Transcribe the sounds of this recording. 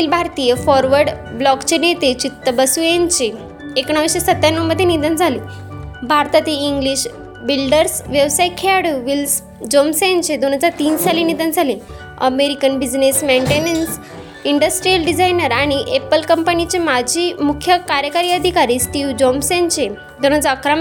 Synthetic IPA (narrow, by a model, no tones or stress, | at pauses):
ilbʱaɾt̪ijefɔɾʋəɾɖ | blɔkt͡ɕenjet̪et͡ɕit̪ːəbəsuent͡ɕe | ekɳ̃əʋɕesət̪ːjanːumːəd̪ʱːjenid̪ʱənd͡zʱali | bʱaɾt̪at̪iːŋɡliɕ | bilɖəɾsʋjəʋsaikʰeaɽəʋils | d͡ʑomsent͡ɕed̪oñad͡zat̪iːnsalenid̪ʱənd͡zʱale | ə̰meɾikənbid͡ʑnesmeɳʈenəns | iɳɖəsʈɾijəlɖid͡zajnəɾaɽ̃iʔepəlkəmpənit͡ɕemad͡ʑʱiːmukʰjəkaɾjəkaɾiːəd̪ʱikaɾiːsʈiːʋd͡ʑomsent͡ɕe | d̪on̤ad͡zaəkʰɾam